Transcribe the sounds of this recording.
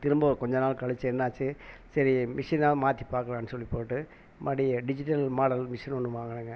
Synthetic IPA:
t̪ɪɾɯmboːkɔɲd͡ʒɐnaːlkɐɭɯt͡ʃːɯɛnːaːt͡ʃːɯsɐɾimɪʂinaːlmaːt̪ːipaːɾkɐlãːɐnːɯsɔlːipːoːʈːɯ | mɐɽiɖɪd͡ʒɪʈːɐlmaːɽɐlmɪʂɐnɔnːɯʋaːŋɡɐɽɯŋɡɐ

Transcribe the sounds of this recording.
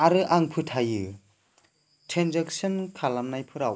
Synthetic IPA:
aɾɯʔaŋpʰɯtʰajɯ | tʰɾenzeksɯnkʰalamnajpʰɯɾaw

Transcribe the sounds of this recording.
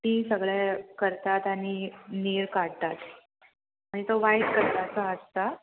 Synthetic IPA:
t̪isəɡɭjakəɾt̪at̪aɽ̃iniːɾkaɽt̪at̪ | añit̪oʋaid̪kəɾt̪at͡səəst̪a

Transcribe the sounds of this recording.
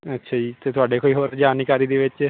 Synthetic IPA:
ətːʃʰaːd͡ʒiːt̪eːt̪ʊaːɖeːkoːiːɦoːɾd͡ʒaːnikaːɾiːd̪eːʋɪt͡ʃ

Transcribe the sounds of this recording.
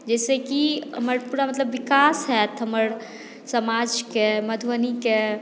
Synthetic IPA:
d͡ʒɛsekiɦəməɾpuɾamət̪ləbːikasɦɛt̪ɦəməɾ | səmad͡ʒkeməd̪ʱʋənike

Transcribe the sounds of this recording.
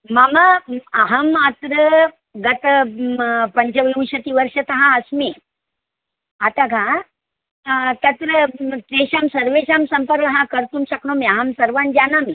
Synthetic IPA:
mamaaɦɐmat̪ɾə | ɡɐt̪ | pɐɲt͡ɕɐʋiũɕɐt̪iːʋəɾʂət̪ɐɦãəsme | at̪akã | t̪ɐt̪ɾət̪ɾeɕamsɐɾʋeɕamsɐmpəɾkɦãkəɾt̪umɕɐkɳõmiaɦɐmsɐɾʋand͡ʒanami

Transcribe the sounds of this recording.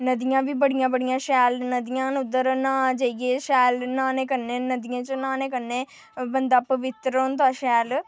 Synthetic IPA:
nəd̪ɪjãːʋiːbəɽɪjãːbəɽɪjãːʃɛːlnəd̪ijãːnʊd̪ːəɾnãːd͡ʒaiɡeːʃɛːlnãːnẽːkənːẽːnəd̪ɪjãːt͡ʃənãːnẽːkənːẽː | bənd̪aːpəʋɪt̪ɾont̪aːʃɛːl

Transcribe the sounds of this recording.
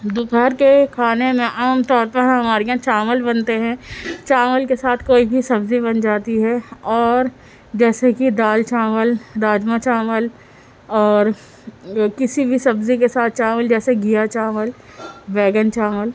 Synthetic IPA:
d̪ʊpɛɾkekʰaːnemẽʔaːmt̪ɔːɾpɐɾɦɐmaːɾejãt͡ʃaːməlbɐnt̪eɦɛ̃t͡ʃaːməlkesaːt̪ʰkoːibʱisɐbzibɐnd͡ʒaːt̪iɦɛɔːɾ | d͡ʒɛːsekid̪aːlt͡ʃaːməld̪aːd͡ʒmat͡ʃaːməl | ɔːɾ | kɪsibʱisɐbzik̬esaːt̪̚ʰt͡ʃaːməld͡ʒɛːseɡijat͡ʃaːməl | ʋɛːɡənt͡ʃaːməl

